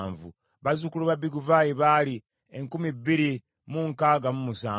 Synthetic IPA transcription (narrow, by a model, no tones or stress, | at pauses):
ɱvṵ | βazukuluβabiɡuvajiβali | eŋkumibːiɾi | muŋkaːɡamumusaː